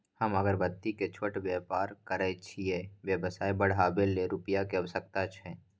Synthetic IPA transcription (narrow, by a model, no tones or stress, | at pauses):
həməɡəɾbət̪ːiket͡ʃʰoʈbjɛpaːɾkəɾɛt͡ʃʰiɛʋjəbəsaːibəɽ̤aːbeleɾupəjakeɐwəsək̚t̪at͡ʃʰɛː